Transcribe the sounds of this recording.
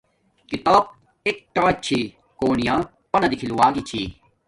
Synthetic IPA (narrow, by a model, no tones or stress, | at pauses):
kit̪aːb̚ | ek̚ʈaːt͡ɕʰi | koːnijãː | pɐnɐd̪ikʰiluwaːɡit͡ɕʰiː